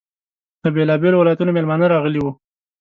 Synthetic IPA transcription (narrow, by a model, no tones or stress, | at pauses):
d̪̥əbelɑbelowɪlɑjat̪unomelmɑnəɾɑɣəliwu